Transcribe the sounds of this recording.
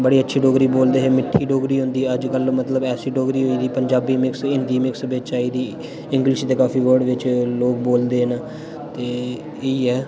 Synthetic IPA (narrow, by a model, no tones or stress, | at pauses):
bəɽiːətːʃʰiːɖoːɡɾiːboːld̪eːɦɛːmɪʈʰːiːɖoːɡɾiːɦʊ̃nd̪iːəd͡ʒkəlmət̪ləbɛːsiːɖoːɡɾiːɦoːiːd̪iːpəɲd͡ʒaːbiːmɪksɪnd̪iːmɪksbeːt͡ʃaːiːd̪iː | ɪ̃ŋɡlɪʃt̪eːkaːfiːʋəɾɖʋɪt͡ʃloːk̚boːld̪eːɦnaː | t̪eː | eiːɛː